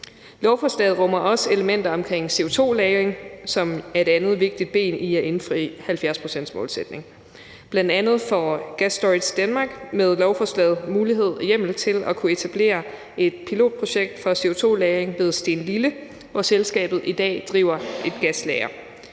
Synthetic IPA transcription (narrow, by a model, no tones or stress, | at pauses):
lɒʊfɒːslɛ̰ːð̩ˠʁɒ̽mɐʔɒ̽se̝ləmen̰d̥ɐɒ̽mkʰʁeŋ̰se̝o̝t͡sʰo̝̰ːlɛːʁeŋsɒ̽mæɐe̝d̥ænð̩ˠʋe̝ɡ̥̚d̥id̥̚b̥e̝̰ːniæe̝nfʁḭhælfjæɐspʰʁo̝sen̰d̥smɔ̰̽ːlsed̥ne̝ŋ | b̥lænd̥ænð̞̩ˠfɒ̽ɡ̥æsd̥ɒid̥sd̥ænmɑ̈ːɡ̥með̞ˠlɒʊfɒslɛ̰ːð̩ˠmuːliɦe̝ð̞̰ˠjem̰l̩t͡sʰe̝lɒkʰue̝t͡sʰæb̥le̝̰ːɐ | e̝d̥̚pʰilo̝̰ːd̥̚pʰʁo̝ɕeɡ̥̚d̥fɒ̽se̝o̝t͡sʰo̝̰ːlɛːʁeŋʋe̝ð̞ˠsd̥e̝ːnlilə | ʋɒselsɡ̥ɛ̰ːb̥ð̞̩ˠid̥ɛ̰ːd̥ʁḭʊ̰ɐe̝d̥ɡ̥æslɛɪɐ